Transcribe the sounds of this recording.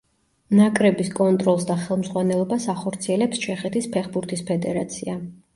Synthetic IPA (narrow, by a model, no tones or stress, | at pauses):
nakʼɾɛbiskʼɔnt̪ʼɾɔlˠs̬d̪aχɛlˠmzʁwanɛlˠɔbasaχɔɾt̪sʰiɛlɛpst͡ʃʰɛχɛt̪ʰispʰɛχbuɾt̪ʰispʰɛd̪ɛɾat̪sʰia